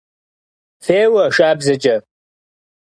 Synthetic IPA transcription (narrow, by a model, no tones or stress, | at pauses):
feːwɐʂaːbzɐt͡ʃʼɐ